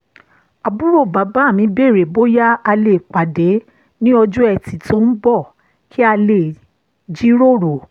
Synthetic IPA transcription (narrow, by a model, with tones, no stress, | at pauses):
a˨bu˦ɾo˦˨ba˨˦ba˦˨mĩ˨˧˦be˦˨ɾe˨bo˦ja˦a˧le˨k͡pa˨de˨˦ | nĩ˦ɔ˧d͡ʒũ˦ɛ˧ti˨tʰo˦n̩˦bɔ˦˨ | kʰi˦a˧le˨ | d͡ʒi˦ɾo˦˨ɾo˨